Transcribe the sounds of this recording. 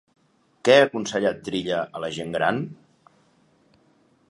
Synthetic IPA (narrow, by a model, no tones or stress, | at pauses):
kɛəkunsəʎat̪ːɾiʎəələʒeŋɡɾa̰n